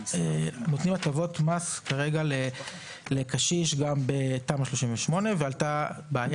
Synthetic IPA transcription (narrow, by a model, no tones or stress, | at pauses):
enot̪nimatavo̞tmaskaʁe̞ɡale | lekaʃiʃɡambetamʃlo̞ʃinveʃmo̞ne̞vealtabeaja